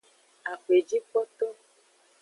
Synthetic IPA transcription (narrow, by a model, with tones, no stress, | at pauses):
a˨xe˨d͡ʒi˦k͡pɔ˦t̪ɔ˦